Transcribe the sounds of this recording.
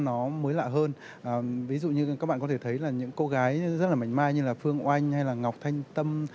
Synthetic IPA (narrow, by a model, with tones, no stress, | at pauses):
nɔ˨˦məː˨˦jla̰ː˧˨ɦəː˧n | ʔəː˨˩vi˨˦zṵ˧˨ɲɨ˧ka˦˥k̚ɓa̰ː˧˨kɔ˨˦t̪ʰe˧˩t̪ʰə˨˦jlaː˨˩ɲɨ̰˧˥ŋko˧ɣaː˨˦jzə˦˥t̚laː˨˩ma˨˩jŋ̟maː˧jɲɨ˧laː˨˩fɨ˧əŋʔwʔa˧jŋ̟ha˧jlaː˨˩ŋa˨˩wk͡p̚t̪ʰa˧jŋ̟t̪ə˧m